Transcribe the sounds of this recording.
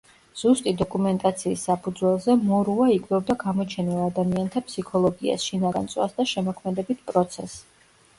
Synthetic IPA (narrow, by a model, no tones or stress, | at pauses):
z̥ust̪ʼid̪ɔkʼumɛnt̪ʼat̪sʰiːsːapʰud̪zwɛlˠzɛmɔɾuaikʼdɛbd̪aɡamɔt͡ʃʰɛnilˠad̪amiant̪ʰapsikʰɔlˠɔɡia̰sʃinaɡa̰nsʼwa̰sd̪aʃɛmɔkʰmɛd̪ɛbit̪̚ʰpʼɾɔt̪sʰɛ̰s